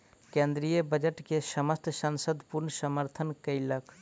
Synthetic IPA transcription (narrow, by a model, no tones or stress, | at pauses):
kẽnd̪ɾijəbəd͡ʒəʈkesəməst̪ʰsənsəd̪ʱpuɾnsəməɾt̪ʰənkəiləkʰ